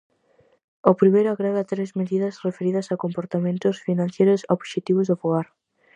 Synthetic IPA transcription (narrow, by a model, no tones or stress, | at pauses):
opɾimejɾʊaɣɾeɣat̪ɾezmeðiðɐsrefeɾiðɐsakompoɾt̪amẽnt̪ʊsfinãnθjejɾʊsoβʃet̪iβʊzðofoɣaɾ